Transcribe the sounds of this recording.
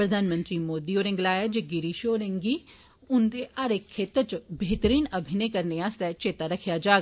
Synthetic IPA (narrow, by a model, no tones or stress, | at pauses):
pɾɐd̪ʱaːnmə̃nt̪ɾimoːd̪ioːɾɪ̃ŋɡlaːjad͡ʒeɡiɾiʃoːɾẽŋɡi | ʊnd̪eɐɾekʰːeːt̪ət͡ʃbeːt̪əɾiːnɐbʱɪnekɐɾneaːst̪ɛt͡ʃeːt̪aɾɐkʰijad͡ʒaːɡa